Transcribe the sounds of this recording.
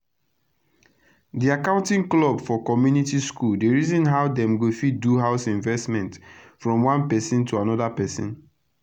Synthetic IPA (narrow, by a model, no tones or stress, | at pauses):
diakãʊ̃ntĩŋklɔbfɔkɔmjunitiskuldeɹizɔ̃nɦaʊdɛ̃mɡofiduɦaʊsĩɱvɛstmɛ̃ntfɹɔ̃mwãnpɛsĩntʰuanɔdapɛsɔ̰̃n